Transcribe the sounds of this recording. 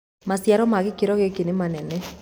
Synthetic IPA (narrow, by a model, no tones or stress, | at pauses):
masjaɾɔmaɣekeɾɔɣekenemanɛnɛ